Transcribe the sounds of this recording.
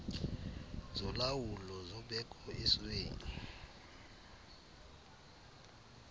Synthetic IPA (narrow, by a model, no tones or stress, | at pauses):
zɔlawulɔzɔɓɛkʰʼɔɛsweːni